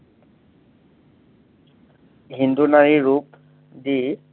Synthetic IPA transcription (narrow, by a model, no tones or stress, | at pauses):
ɦindunaɹiɹup | di